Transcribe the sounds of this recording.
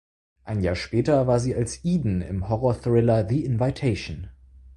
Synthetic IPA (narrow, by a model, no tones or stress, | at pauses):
ʔaɪnjaːɐʃpɛːtɐvaːɐziːalsʔiːdn̩ɪ̰mhɔʁɔɐθʁɪlɐðiɪnvaɪtʰeɪʃn